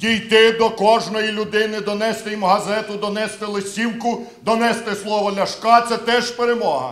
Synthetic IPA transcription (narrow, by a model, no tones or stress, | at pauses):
dʲijt̪ɪd̪ɔkɔʒnɔjilʲʊd̪ɪnɪd̪ɔnɛst̪ɪjimɦɐzɛt̪ʊd̪ɔnɛst̪ɪlˠesʲiwkʊ | d̪ɔnɛst̪ɪslˠɔʋɔlʲɐʃkɑt̪sɛt̪ɛʒpeɾemɔɦɐ̰